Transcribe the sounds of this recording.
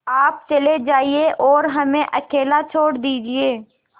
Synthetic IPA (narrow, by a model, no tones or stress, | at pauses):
aːp̚t͡ʃɐled͡ʒaːieʔɔːɾɦɐmẽʔɐkeːlat͡ʃʰoːɽd̪iːd͡ʒieː